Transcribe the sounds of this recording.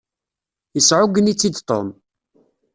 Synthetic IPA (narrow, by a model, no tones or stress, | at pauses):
jəsʕʊɡənit͡sːid̪t̪ˤo̰m